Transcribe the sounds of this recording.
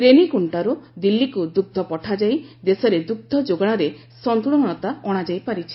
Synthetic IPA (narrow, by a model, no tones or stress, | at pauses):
ɾenikuɳʈaɾud̪ilːikud̪uɡ̚d̪ʱɔpɔʈʰad͡ʒajd̪esɔɾed̪uɡ̚d̪ʱɔd͡ʒoɡɔɽ̃ɔɾe | sɔnt̪uɭɔɽ̃ɔt̪aɔɽ̃ad͡ʒajpaɾit͡ʃʰi̥